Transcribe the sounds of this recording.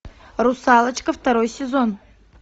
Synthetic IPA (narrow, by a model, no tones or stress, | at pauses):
rʊsalˠət͡ɕkəft̪ɐɾojsʲɪzon